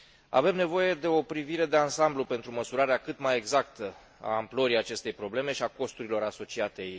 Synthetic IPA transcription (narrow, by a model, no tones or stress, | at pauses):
a̰ve̞mne̞vo̞je̞d̪e̞o̞pɾiviɾe̞d̪e̞ansamblupe̞nt̪ɾuməsuɾaɾeakɨt̪maje̞ɡzakt̪ə | a̰ːmpləɾijat͡ʃe̞st̪e̞jpɾo̞ble̞me̞ʃiako̞st̪uɾilo̞ɾaso̞t͡ʃiat̪e̞jej